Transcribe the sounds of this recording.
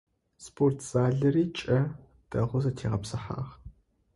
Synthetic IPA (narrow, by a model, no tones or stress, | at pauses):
spʰortʰz̥aːɮɐriːt͡ʃʼɐ | d̥ʼɐʁʷʊzɐtʰeːʁɐpsɐħa̰ːʁ